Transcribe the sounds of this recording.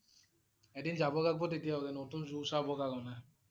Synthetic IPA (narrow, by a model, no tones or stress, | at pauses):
ɛɖind͡ʒabɔkak̚bɔt̪it̪ijaoɡenot̪unzusabɔkaɡɔna